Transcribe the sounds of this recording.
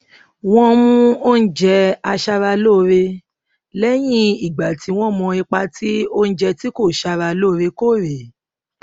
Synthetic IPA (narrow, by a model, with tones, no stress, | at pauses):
w̃ɔ̃˧mũ˧o˦n̩˦d͡ʒɛ˧a˧ʃa˧ɾa˧lo˦˨˧ɾe˧ | lɛ˦j̃ĩ˦i˨ɡ͡ba˨ti˨˧˦w̃ɔ̃˦mɔ̃˧i˧k͡pa˧ti˦o˦n̩˦d͡ʒɛ˧ti˦ko˦˨ʃa˧ɾa˧lo˦˨˧ɾe˧ko˦˨ɾe˨